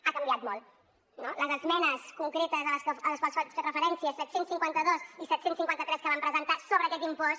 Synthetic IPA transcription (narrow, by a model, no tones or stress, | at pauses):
akəmbiat̪mɔlˠ | noləzəzmɛnəskuŋkɾet̪əzələskəələsfəsɔskərəfəɾɛnsiəsɛt̪sensːiŋkwant̪əðosisɛt̪sensiŋkwant̪ət̪ɾɛskəβampɾəzənt̪asoβəːkɛt̪impɔs